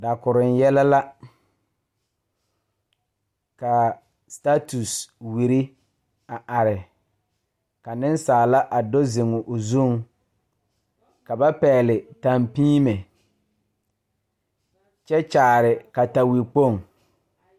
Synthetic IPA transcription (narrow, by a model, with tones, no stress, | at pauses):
da˨kʊ˨ɾɪ˨n˦jɛ˦la˦la˦ | ka˨ | sta˦tu˨swi˨ɾi˦ | a˨ʔa˨ɾɪ˨ | ka˨nɪ˦nsaː˨la˦ʔa˨do˦zɪ˨ŋʊ˨ʔʊ˨zu˦˨ŋ | ka˨ba˦pɛː˨lɪ˨ta˨mpiː˦me˨ | t͡ʃɛ˦t͡ʃaː˨ɾɪ˨ka˨ta˨wi˨k͡po˦˨ŋ